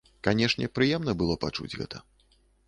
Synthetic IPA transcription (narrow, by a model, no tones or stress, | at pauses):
kanʲɛʂnʲɛpɾɨjɛmnɐbɨlˠɔpat͡ʂṵd͡zʲɣɛ̰t̪ʰɐ